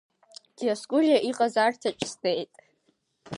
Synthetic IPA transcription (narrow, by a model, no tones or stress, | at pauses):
d̥iaskʼʊɮʲjaʔiqʼazartʰat͡ʃʰʼstejtʼ